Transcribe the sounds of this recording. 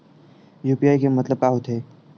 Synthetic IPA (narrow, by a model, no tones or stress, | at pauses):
juːpiaːikemɐt̪ləb̚kaːɦut̪ɦeː